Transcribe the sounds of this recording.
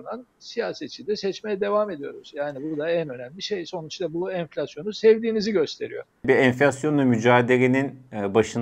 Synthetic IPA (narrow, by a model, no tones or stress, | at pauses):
nansijaːset̪t͡ʃʰid̪ɛsɛt͡ʃmejɛd̪e̞vame̞d̪ijo̞̰ɾuzjaːnibud̪aænø̞næmlʲiʃejso̞nut͡ʃd̪abuɛnflʲasjo̞nusɛvd̪iːniziɟø̞st̪ʰe̞ɾḭjo̞̰ | biɛnflʲasjo̞nvɛmyd͡ʒaːd̪eleninːbaʃɯn